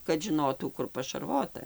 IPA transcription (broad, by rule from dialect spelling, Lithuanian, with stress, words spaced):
kɐt ʒʲɪˈnoːtuː ˈkʊr pɐʃɐrˈʋoːtɐ